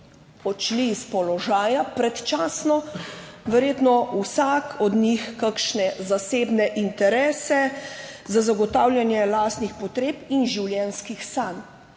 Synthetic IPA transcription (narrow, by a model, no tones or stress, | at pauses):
ɔt͡ʃliːspɔlɔʒaːjapɾɛt̪t͡ʃaːsnɔʋɛɾjeːt̪nɔusakʰɔd̪nixkakʃnɛzaseːbnɛʔint̪ɛɾɛːsɛzazaɡɔt̪aːwlʲjanjɛlaːst̪nixpɔt̪ɾeːpinʒiwljɛnskixsan